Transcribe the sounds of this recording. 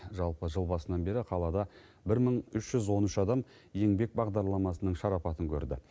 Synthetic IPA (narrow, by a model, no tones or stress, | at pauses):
ʒɑlˠpəʒəlˠbɑsənɑnbe̞ɾɪqʰɑlˠɑd̪ɑ | bɪɾməɴʏʃʒ̥ʏzwo̞nʏʃɑd̪ɑm | je̞ŋbe̞k̚bɑʁd̪ɑɾlˠɑmɑsənəɴʃɑɾɑpɑt̪əŋkʲʰɵ̰ɾd̪ɪ̰